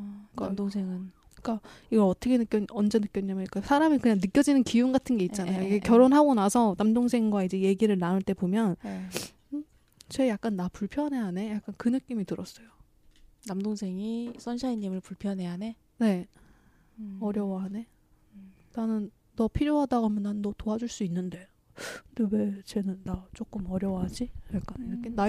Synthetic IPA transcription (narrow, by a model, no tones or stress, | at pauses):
k͈adoŋsʰeŋɯn | k͈aiɡʌɾʌtʰʌkʰenɯk͈jʌʌnd͡ʑe̞nɯk͈jʌɲamjʌik͈asʰaɾamikɯɲaŋnɯk͈jʌd͡ʑinɯnkiunɡatʰɯnɡe̞itt͡ɕ͈anajoiɡe̞kjʌɾonɦaɡonasʰʌnamdoŋsʰe̞ŋɡwaid͡ʑe̞je̞ɡiɾɯɭnanɯɭt͈e̞pomjʌn | t͡ɕejak̚k͈anːapuɭpʰjʌnɦe̞ɦane̞jak͈̚ankɯnɯk͈imitɯɾʌs͈ʌjo | namdoŋsʰe̞ŋisʰʌnɕʰaiɲːimɯɭpuɭpʰjʌnɦe̞ɦane̞ | ne̞ | ʌɾjʌwaɦane̞ | nanɯnː | ʌpʰiɾjoɦadaɡamjʌnːaɯnʌtoad͡ʑuɭs͈uinːɯnde̞ | dewe̞t͡ɕe̞nɯnːat͡ɕ͈ok͈ɯmʌɾjʌwɦad͡ʑijak͈aniɾʌkʰena